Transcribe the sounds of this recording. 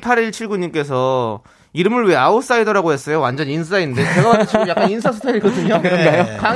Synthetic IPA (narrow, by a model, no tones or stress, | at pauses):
pʰaɾiɭt͡ɕʰiɭɡuɲink͈e̞s̬ʰʌ | iɾɯmɯɭweaops͈aidʌɾaɡoɦe̞s͈ʌjowand͡ʑʌnins̬ʰɯsainːɯndet͡ɕeɡaɡaet͡ɕiɡʌmjakk͈aninsʰasʰutʰeiɭk͈ʌdɯɲokɯɡajoka